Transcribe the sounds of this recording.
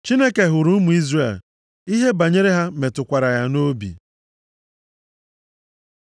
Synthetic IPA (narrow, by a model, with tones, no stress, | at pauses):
t͡ʃi˦ne˦ke˨ɦʊ˨ɾu˦mu˨i˦zrḛ˨l | i˦ɦe˦ba˨ɲe˦ɾe˦ɦa˦me˨tʊ˨kʷa˨ɾa˨ja˨no˦bḭ˨